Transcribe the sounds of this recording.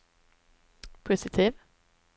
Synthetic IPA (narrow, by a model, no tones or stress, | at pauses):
pʰʉsɪt̪ʰɪʋ